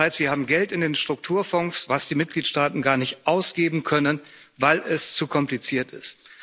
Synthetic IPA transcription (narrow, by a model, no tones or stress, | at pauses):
haɪstv̥iːɐhaːbm̩ɡɛltɪndeːnʃtʁ̥ʊk̚tʰuːɐfɔŋsvasd̥iːmɪt̚ɡ̥liːtʃtaːtn̩ɡaːɐnɪçtʔaʊsɡ̥eːbm̩kʰœnən | vaɪlʔɛst͡sukʰɔmplit͡siːɐtɪst